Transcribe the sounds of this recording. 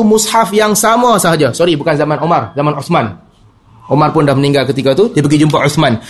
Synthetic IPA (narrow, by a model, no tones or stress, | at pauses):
umushafjaŋsamasaɦad͡ʒasoɾibukanzamanomarzamanuθman | ʔomarpʊndahməniŋɡalkət̪ikat̪udiəp̬əɡid͡ʒump̬aʔɔθman